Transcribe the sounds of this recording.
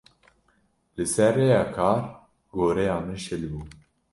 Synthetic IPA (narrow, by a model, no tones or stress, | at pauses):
lɨsɛɾrːeːjɑːkʰɑːɾ | ɡoːɾɛjɑːmɨnʃɪlbuː